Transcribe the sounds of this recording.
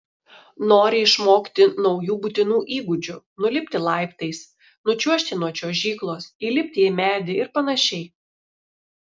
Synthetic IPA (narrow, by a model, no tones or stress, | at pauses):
noːɾʲɪɪʃmoːkʲt̪ʲɪnɒʊjuːbʊt̪ʲɪnuːʔiːɡʊd͡ʒʲʊ | nʊlʲɪpʲt̪ʲɪlˠɑˑɪpt̪ɐɪs | nʊt͡ʃʲuɔʃʲt̪ʲɪnuɔt͡ʃʲoːʒʲiːklˠoːsilʲɪpʲt̪ʲɪimʲæːd̪ʲɪɪɾpɐnɐʃʲɛɪ